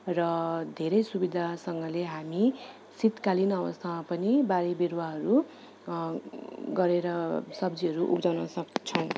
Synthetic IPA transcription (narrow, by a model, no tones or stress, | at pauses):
rʌd̪ʱeɾʌjsubid̪ʱasʌŋɡʌleɦami | sit̪kalinʌbʌst̪ʰamapʌnibaɾibiɾwaɦʌɾu | ɡʌɾeɾʌsʌbd͡ziɦʌɾuʔṵpd͡zawnʌsʌkt͡sʰʌw̃